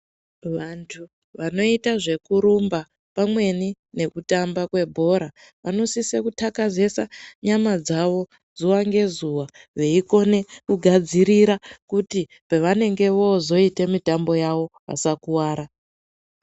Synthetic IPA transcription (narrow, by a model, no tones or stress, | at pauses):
ʋantʰu | ʋano̞itaʐe̞kuɾumba | pamwe̞ni | ne̞kutambakwe̞bʱo̞ɾa | ʋʔano̞sisekutʰakaze̞saɲamad͡zaʋo̞ | zuwaŋɡe̞zuwaʋe̞iko̞ne̞kuɡʱad͡ziɾiɾakuti | peʋane̞ŋɡe̞ʋo̞zo̞ite̞mitambo̞jaʋo̞ | a̰sakuwaːɾa